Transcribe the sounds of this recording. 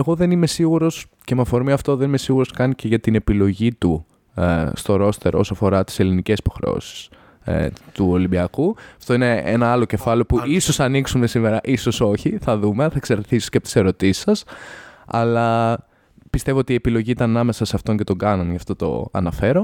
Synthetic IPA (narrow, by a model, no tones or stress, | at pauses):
eɣo̞ðe̞nime̞siɣuɾo̞s | cemɐfo̞ɾmiɐft̪o̞ðenime̞siɣuɾo̞skɐnice̞ʝɐt̪ine̞pilo̞ʝit̪u | st̪o̞ɾo̞st̪e̞̰ɾosoɐfo̞ɾɐt̪i̥se̞linice̞si̥po̞xɾe̞̰o̰si̥s | t̪uo̞limbiɐkuɐft̪o̞ine̞ḛnɐɐlo̞ce̞fɐliopuiso̞sɐniksume̞sime̞ɾɐʔiso̞so̞çiθɐðumeθɐkseɾeθiso̥ceɐpot̪i̥se̞ɾo̞t̪isi̥sɐs | ɐ̰lɐ | pist̪e̞voot̪iepilo̞ʝiit̪ɐnɐnɐme̞sɐseɐft̪o̞ɲce̞t̪o̞ɡɐnɐnʝɐft̪o̞t̪o̞̰ɐ̰nɐfe̞ɾo̞